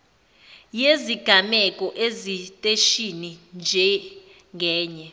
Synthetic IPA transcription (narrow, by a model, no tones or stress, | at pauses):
jeziɡ̥ʱamɛkʼɔʔezitʼeʃinind͡ʒʱɛ | ŋɡʱɛːɲɛ